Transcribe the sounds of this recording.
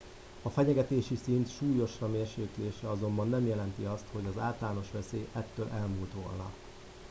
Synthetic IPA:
ɒfɛɲɛɡɛt̪eːʃisint̪ʃuːjo̞ʃrɒmeːrʃeːt̪leːʃɛɒzo̞mbɒnːɛmjɛlɛnt̪iɒst̪ho̞ɟɒzaːlt̪laːno̞ʃʋɛseːʔɛt̪ːøːlʔɛlmuːlt̪ʋo̞̰lnɒ̰

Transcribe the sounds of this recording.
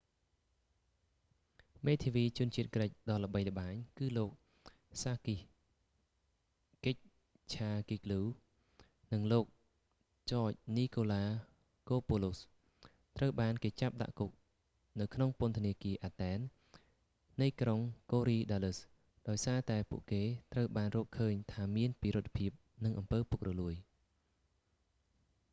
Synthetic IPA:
meːt̪ʰiʋiːt͡ɕʊ̆ənt͡ɕiət̪̚kɗəc̚ɗɑlə̆ɓəjlə̆ɓaːɲkɨːloːk̚ | saːkih | kec̚ | t͡ɕʰaːkikluː | nɨŋloːk̚ | t͡ɕɑːc̚niːkoːlaː | koːpolos | t̪rəwɓaːnkeːt͡ɕap̚ɗa̰ʔkuk̚ | nɨwkʰnoŋpʊ̆ənt̪ʰəniəkiəʔaːt̪ɛːnː | ɨjkroŋkoːɾiːɗaːlɨs | ɗaɔjsaːt̪aɛpṵəʔkeːt̪rəwɓaːnrɔːkʰəːɲt̪ʰaːmiənpiːɾʊt̪̚ʰːpʰiəp̚nɨŋʔɑmpəːpʊk̚rɑluəj

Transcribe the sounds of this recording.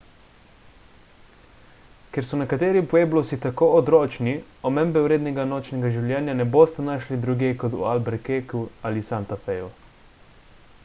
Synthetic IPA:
kjɛɾsɔnɛkat̪eːɾipɔjeːblosit̪akoːod̪ɾoːt͡ʃniɔmɛmbɛuwɾeːd̪nɛɡanoːt͡ʃnɛɡaʒiwljɛːnjanɛboːst̪anaːʃlid̪ɾuɡekot̪ṵalbɛɾkekualisant̪afɛju

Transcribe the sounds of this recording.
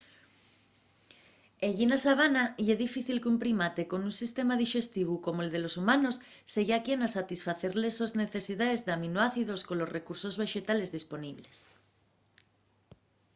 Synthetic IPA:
eʎinasaβanaieðifiθilkeumpɾimat̪e̞ko̞nunsist̪e̞maðiʃe̞st̪iβ̞uko̞moeld̪e̞lo̞sumãno̞sː | eɣakje̞nasat̪isfaθe̞ɾlesozne̞θe̞siðaðezðeaminoaθiðo̞sko̞nlo̞zre̞kuɾso̞zβe̞ʃe̞t̪ale̞zðispo̞niβ̞les

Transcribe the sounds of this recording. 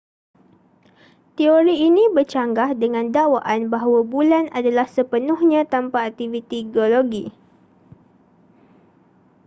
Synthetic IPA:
t̪ioɾiːnĩbərt͡ʃaŋɡahdəŋãndawaʔanbaɦawabulanadalahsəpənʊhɲãt̪ampaːk̚t̪ivit̪iɡioloɡi

